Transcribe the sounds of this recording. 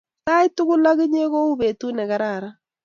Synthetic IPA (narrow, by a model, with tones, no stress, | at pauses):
ta˦i˦tu˦ɣu˦la˦ɣi˦ɲe˦ɣo˦u˦βe˨tu˦ne˨ɣa˦ɾa˨ɾa˦